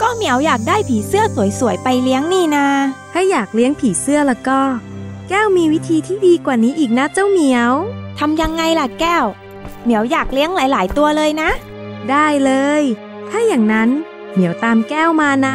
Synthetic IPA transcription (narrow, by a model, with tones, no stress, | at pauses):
kɔː˥˩mi˩˦əwjaː˨˩k̚daː˥˩jpʰiː˩˦sɯ˥˩ɐsu˨˩˦jsu˨˩˦əjpa˧jli˦˥əŋniː˥˩naː˧t̪ʰaː˥˩jaː˨˩k̚li˦˥əŋpʰiː˩˦sɯ˥˩ɐla˧˩kɔː˥˩kɛː˥˩wmiː˧wi˦˥t̪ʰiː˧t̪ʰiː˥˩diː˧kwaː˨˩niː˦˥ʔiː˨˩k̚na˦˥t͡ɕa˥˩wmi˨˩˦əwt̪ʰa˧mja˧ŋːa˧jla˨˩kɛː˥˩w | mi˩˦əwjaː˨˩k̚li˦əŋlaː˩˦jlaː˩˦jt̪u˧ɐlɤː˧jna˦˥ʔ | daː˥˩jlɤː˧j | t̪ʰaː˥˩jaː˨˩ŋna˦˥n | mi˨˩˦əwt̪aː˧mkɛː˥˩wmaː˧na˦˥